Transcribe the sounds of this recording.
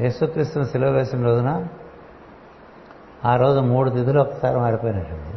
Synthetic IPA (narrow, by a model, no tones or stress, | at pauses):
jeːsukɾiːst̪unɐsilʋɐʋɛːsɐmɾoːd̪unɐ | aːɾo̞ːd͡ʒumuːɽut̪id̪ulɔkːɐ̥saːɾemaːɽipoːjɐnɐɳʈːɐdi